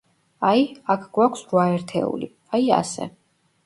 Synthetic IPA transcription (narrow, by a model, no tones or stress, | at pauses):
aiakʰɡwakʰsɾwaɛɾt̪ʰɛ̰ṵli | aia̰sɛ̰